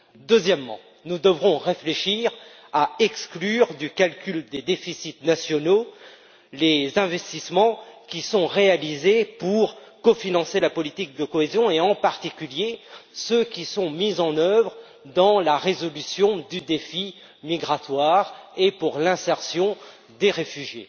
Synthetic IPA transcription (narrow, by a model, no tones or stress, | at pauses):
d̪əzjɛmːɑ̰̃ | nud̪əvʁɔ̃ʁefleʃiʁ | aɛksklyʁd̪ykalkʲyld̪ed̪efisit̪nasjɔno | lezɛ̃vɛst̪ismɑ̃kʲisɔ̃ʁealizepuʁkɔfinɑ̃selapɔlit̪ik̚d̪əkɔezjɔ̃eɑ̃paʁt̪ikʲyljesøkʲisɔ̃mizɑ̃nœvʁ | d̪ɑ̃laʁezɔlysjɔ̃d̪yd̪efi | miɡʁat̪waʁepuʁlɛ̃sɛʁsjɔ̃ | d̪eʁefyʒjḛ